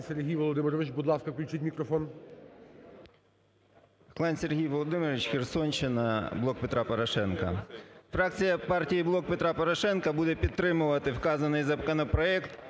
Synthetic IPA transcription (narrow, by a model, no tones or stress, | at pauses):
sʲerɦʲijʋɔlˠɔd̪ɪmeɾɔʋɪt͡ʃbʊd̪lˠɑskɐklʲt͡ʃɪtʲmʲikɾɔfɔn | klˠɑnʲsʲerɦʲijʋɔlˠɔd̪ɪmɪɾʋʲɪt͡ʃxersɔnʲt͡ʃɪnɐblˠɔk̚pet̪ɾɑpɔɾɐʃɛnkɐ̰fɾɑk̚t͡sʲijɐpɑrtʲijiblˠɔk̚pet̪ɾɑpɔɾɐʃɛnkɐbud̪ɛpʲid̪̚t̪ːɾɪmʊʋɐt̪ɪwkɑzɐnɪjzɐkɐnɐpɾɔɛkt̪